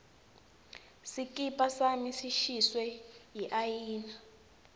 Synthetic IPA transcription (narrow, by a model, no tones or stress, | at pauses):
sikʼipʼasamisiʃiswɛjiʔajiːna